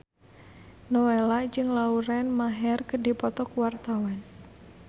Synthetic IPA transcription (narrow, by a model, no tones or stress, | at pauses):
nowelad͡ʒɨŋlauɾɛnmaɦɛrkədi̤pɔt̪ɔkuwart̪awan